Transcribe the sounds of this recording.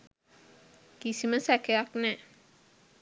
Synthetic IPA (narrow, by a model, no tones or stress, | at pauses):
kisiməsækejaknɛː